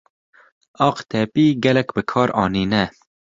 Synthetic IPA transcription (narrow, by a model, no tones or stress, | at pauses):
ɑːqt̪ʰɛpiːɡɛlɛkbɨkʰɑːɾɑ̰ːniːnɛ